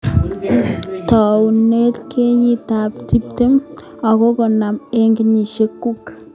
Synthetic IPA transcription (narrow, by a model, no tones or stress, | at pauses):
t̪awnelkʰejit̪aptʰip̚t̪em | akokɔnameŋɡiɲiʃekːuk